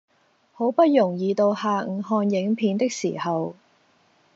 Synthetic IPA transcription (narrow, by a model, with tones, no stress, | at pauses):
ho˨˥wpɐ˥t̚jʊ˨˩ŋjiː˨˧t̪o˧whaː˨˧ŋ̩˨˩ɦɔː˧njɪ˨˥ŋpʰiː˨˥nt̪ɪ˥k̚siː˨˩hɐ˨w